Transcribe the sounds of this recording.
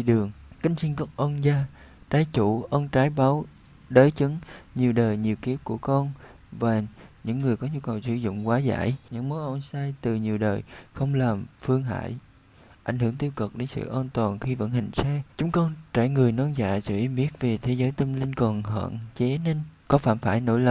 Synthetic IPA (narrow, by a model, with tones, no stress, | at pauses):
i˧˨ɗɨ˨˩əŋkï˨˦ŋ̟si˧ŋkɔ˦˥k̚ʔɔ˧nzaː˧ | t͡ɕaː˨˦jt͡ɕu˧˩ʔə˧nt͡ɕaː˨˦jɓaː˨˦w | ɗəː˨˦jt͡ɕɨ˨˦ŋɲi˨˩əwɗəː˨˩jɲi˨˩wki˨˦˥əp̚ku˧˩əkɔ˧n | vaː˨˩ɲɨ̰˧˥ŋːɨ˨˩əjkɔ˨˦ɲu˧kə˨˩wsɨ̰˧˩zʊ̰˧˨ŋ͡mkwaː˨˦za̰ː˧˨jɲɨ̰˧˥ŋmo˨˦ʔə˧nsaː˧jt̪ɨ˨˩ɲi˨˩əwɗəː˨˩jxə˧wŋ͡mlaː˨˩mfɨ˧əŋɦa̰ː˧˥˨j | ʔa̰˧˩jŋ̟hɨ˧˩əŋt̪i˧əwkə˨˩k̚ɗe˨˦nsɨ̰˧˨ʔaː˧nt̪waː˨˩nxi˧və̰˧˥nhï˨˩ŋ̟saː˧jt͡ɕʊ˨˦ŋ͡mkɔ˧nt͡ɕaː˧˩jŋɨ˨˩əjnɔ˧nza̰ː˧˨jsɨ̰˧˨ʔi˧mi˦˥ək̚ve˨˩t̪ʰe˨˦zəː˨˦jt̪ə˧mli˧ŋkɔ˨˩nhə̰ː˧˨nt͡ɕe˨˦ne˧nkɔ˨˦faː˧˩mfaː˧˩jno̰˧˥jlə˨˩p̚